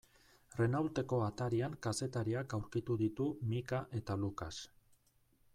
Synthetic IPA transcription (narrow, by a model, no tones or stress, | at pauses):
re̞nawlt̪e̞ko̞at̪aɾiaŋkase̞t̪aɾiakawɾkit̪uðit̪umikaʔe̞t̪alukas